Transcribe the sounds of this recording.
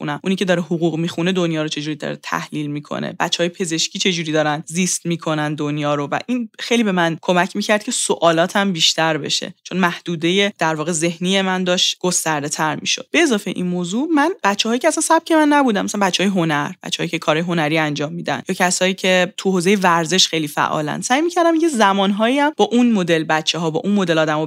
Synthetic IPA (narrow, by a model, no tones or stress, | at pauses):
xṵnæmʔuniːcʲʰe̞d̪ɒːɾehoɣuːɣmixune̞d̪onjɒːɾot͡ʃʰe̞d͡ʒuːɾid̪ɒ̰ɾet̪ʰæ̰hliːlmiːkʰo̰nḛbæ̰t̪t͡ʃːeɒːjepʰe̞ze̞ʃcʰʲiːt͡ʃʰe̞d͡ʒuːɾiːd̪ɒːɾænzist̪miːkʰo̞nænd̪onjɒːɾovæ̰ʔinxe̞jlibe̞mænkʰo̞mæcʰmiːcʰæɾd̪̥̚cʰesoʔɒːlɒːt̪ʰæmbiːʃt̪ʰæɾbe̞̰ʃe̞̰t͡ʃʰo̞nmæhd̪̥uːd̪ejed̪̥æɾvɒːɣe̞ze̞hnijemænd̪ɒːʃt̪ɡ̥ost̪æɾd̪e̞t̪ʰæɾmḭʃo̞̰d̪̚b̥e̞ːzɒːfeʔinmozumænb̥æt̪t͡ʃʰːɛɒːjicʰeæsænsæb̥̚cʰʲemænːæbuːd̪æmʔæsænmbæt̪t͡ʃːɛɒːjeɦonæɾbæ̰t̪t͡ʃːɛhːjicʰekʰɒɾɒːjeɦo̞næɾiænd͡ʒɒːmːiːd̪æ̰njɒːcʰæsɒːiːcʰe̞t̪ʰuhoːzejevæɾze̞ʃxejlifæ̰ʔɒ̰ːlæ̰n̥sæːjmiːcʰæɾd̪æmincʰezæmɒːnɦɒːiæmb̥ɒːʔunmod̪e̞lbæt̪t͡ʃʰeɦɒːbɒ̰ːʔunmod̪e̞lɒːd̪æmɒ